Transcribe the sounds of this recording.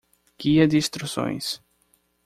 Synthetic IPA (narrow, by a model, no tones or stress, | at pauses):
ɡ̥iɐd̪ɪist̪ɾusõ̰j̃s